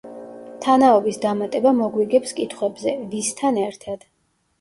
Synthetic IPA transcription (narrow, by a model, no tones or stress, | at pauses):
t̪ʰanaɔbisd̪amat̪ʼɛbamɔɡwiɡɛpskʼit̪ʰχwɛbzɛvist̪ʰanɛɾt̪ʰad̪̥